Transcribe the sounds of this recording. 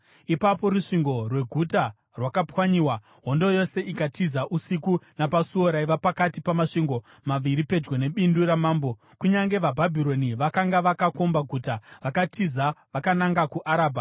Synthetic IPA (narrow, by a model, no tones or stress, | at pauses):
ipapo̞ɾuʂiŋɡo̞rwe̞ɡʱuta | rwakapwaɲiːwa | ɦo̞ndojo̞se̞ʔikatʰizaʔusikunapasuoɾaiʋapakatipamaʂiŋɡo̞ | maʋiɾipe̞d͡ʒɡone̞ɓinduɾamaːmbo̞ | kuɲaŋɡe̞ʋabʱabʱiɾo̞niʋakaŋɡaʋakako̞mbaɡʱutaʋakatʰizaʋakanaŋɡakuʔaɾaːbʱa